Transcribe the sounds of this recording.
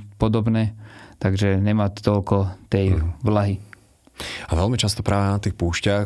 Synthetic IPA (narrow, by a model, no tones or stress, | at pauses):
pɔd̪ɔbnɛːt̪aɡʒɛɲɛmaːt̪ɔlkɔt̪ɛjʋlaɦi | aʋɛlmit͡ʃast̪ɔpɾaːʋɛnat̪iːxpuːʃca